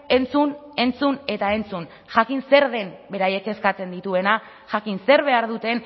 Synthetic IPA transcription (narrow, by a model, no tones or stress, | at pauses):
e̞nt͡sun | e̞nt͡sune̞t̪ae̞nt͡sun | ʝakinse̞ɾðe̞mbe̞ɾaje̞ke̞skat͡se̞nd̪it̪ue̞na | ʝakinse̞ɾβ̞e̞aɾðut̪e̞n